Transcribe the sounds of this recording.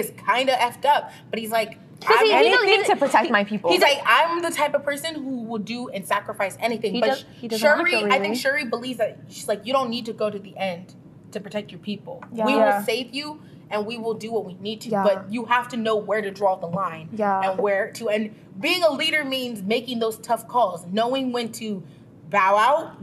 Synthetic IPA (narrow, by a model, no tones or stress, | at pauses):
ɨz̥kʰãɪ̃ndɨʔɛftʌp̚b̥ʌt̚hizlaɪk | kʌtʰɨpʰɹ̥ɨtʰɛk̚maɪpʰipl̩ˠhizlaɪkãɪ̃mðɨtʰaɪpʌv̥pʰɜ˞sɨ̃nɦuwɪlˠdɨɨ̃nsækɹɨfaɪsɛniθɪ̃ŋb̥ʌ | ʃɜ˞ɹiaɪθɪ̃ŋkʃɜ˞ɹibəlivzðɨt̚ʃizlaɪkjɨɾõʊ̃nːid̚tʰɨɡoʊɾɨðiʔɛ̃n | tʰɨpʰɹ̥ɨtʰɛk̚t͡ʃə˞pʰipl̩ˠwiwɑnseɪvju | ɨ̃nwiwɪlˠdɨwʌt̚winid̚tʰɨbʌt͡ʃjɨɦæftɨnoʊwə˞ɾɨdɹɔðəlãɪ̃njɨ̃nwə˞tʰɨɨ̃n | biɪ̃ŋəliɾə˞mĩnzmeɪkɪ̃ŋðoʊz̥tʰʌfkʰɔlˠznoʊɪ̃ŋwɨ̃ntʰɨ | baʊaʊt̚